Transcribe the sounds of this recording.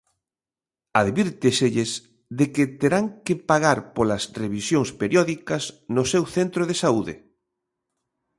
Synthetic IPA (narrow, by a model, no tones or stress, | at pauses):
aðβiɾt̪eseʎes | ðeket̪eɾaŋkepaɣaɾpolɐsreβ̞isjoŋspeɾjɔðikɐsnosewθent̪ɾoðesauðḛ